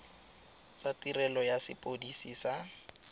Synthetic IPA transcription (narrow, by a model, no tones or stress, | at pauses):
t͡satirɛlɔjasɪ̰pʼodisisa